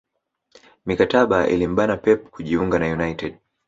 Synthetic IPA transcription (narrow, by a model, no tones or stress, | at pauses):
mikataɓaʔḭlim̩ɓanapɛp̚kʰuʄiuŋɡanajunajtɛd